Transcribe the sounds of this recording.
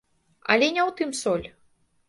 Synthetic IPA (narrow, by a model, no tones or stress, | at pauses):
ɐ̰lʲɛnʲɛwt̪ɨmsɔlʲ